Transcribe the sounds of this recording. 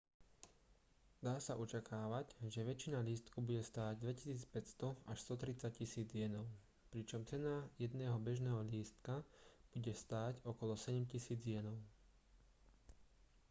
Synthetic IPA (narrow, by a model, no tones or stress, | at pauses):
d̪aːsaʔɔt͡ʃakaːʋaɟʒɛʋɛt͡ʃinaʎiːst̪kubuɟɛst̪aːɟd̪ʋɛci̥siːt͡spɛcst̪ɔaʃst̪ɔt̪ɾit͡sac̚cisiːd͡zjɛnɔʊ | pɾit͡ʃɔmt͡sɛnajɛd̪nɛːɦɔbɛʒnɛːɦɔʎiːst̪kab̥uɟɛst̪aːcɔkɔlɔsɛɟɛmcisiːd͡zɪjɛnɔʊ